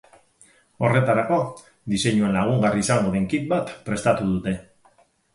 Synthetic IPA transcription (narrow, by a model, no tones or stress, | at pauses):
o̞re̞t̪aɾako̞ | d̪ise̞ɲue̞nlaɣ̞uŋɡariːsaŋɡo̞ð̞e̞ŋkit̪̚bat̪pɾe̞st̪at̪uð̞ut̪e̞